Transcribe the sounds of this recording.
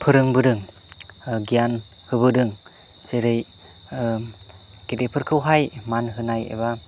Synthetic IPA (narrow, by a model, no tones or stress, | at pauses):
pʰɯɾɯŋbɯɾɯŋ | ɡijan | hɯbɯdɯŋ | seɾɯj | ɡ̥edepʰɯɾkʰɯwɦajmanɦɯnajḛβa